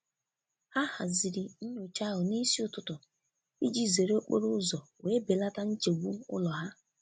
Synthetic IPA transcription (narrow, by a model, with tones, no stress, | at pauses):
ha˦ha˨zi˨ɾi˨n̩˦ɲo˨t͡ʃa˦ɦʊ˨ni˦si˦ʊ˦tʊ˦tʊ˨ | i˦d͡ʒi˦ze˨ɾe˦o˦k͡po̰˦ɾʊ˦zɔ˨weː˨˦be˨la˦ta˦n̩˦t͡ʃe˨ɡʷu˦m˦ʊ̰˦lɔ˨ɦa˦